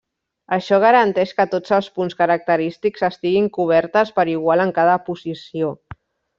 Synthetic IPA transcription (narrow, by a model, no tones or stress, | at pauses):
əʃɔɣ̞əɾənt̪ɛʃkət̪od͡zəlˠspunskəɾək̚t̪əɾist̪ikzəst̪iɣiŋkuβ̞ɛɾt̪əspəɾiɣ̞waləŋkaðəpuzisio